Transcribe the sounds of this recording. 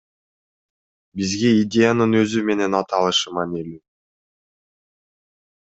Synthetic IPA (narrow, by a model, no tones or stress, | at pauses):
bizɡe̞idʲe̞janɯnø̞zyme̞ne̞nɑt̪ɑlˠɯʃɯmanilʲi